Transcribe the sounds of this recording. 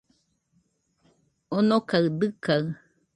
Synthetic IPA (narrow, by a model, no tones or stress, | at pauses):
onokaɨd̪ɨka